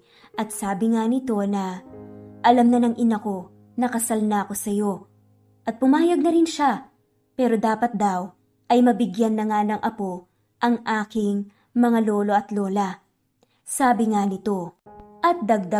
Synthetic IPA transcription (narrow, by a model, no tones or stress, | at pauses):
ʔɐt̪saːbɪŋanɪt̪o̞nɐ | ʔɐlamnɐnɐŋʔɪnɐko̞ | nɐkɐsalnɐko̞sɐjo̞ | ʔɐt̪̚pʊmaːjɐɡ̚nɐɾɪnʃa | pɛːɾo̞d̪aːpɐt̪̚d̪aw | ʔɐjmɐbɪɡjanːɐŋanɐŋʔɐpo̞ | ʔɐŋʔaːkɪŋ | mɐŋalo̞ːlo̞ɐt̪lo̞ːlɐ | saːbɪŋanɪt̪o̞ʔɐt̪̚d̪ɐɡ̚d̪a